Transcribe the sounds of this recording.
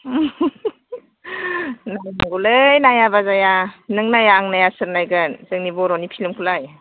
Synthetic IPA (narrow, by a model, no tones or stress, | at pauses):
najmaŋɡulɯjnajabazajanɯŋnajaːŋnajasɯɾnajɡɯnzɯŋnibɔɾɔnipʰilɯmkʰulaj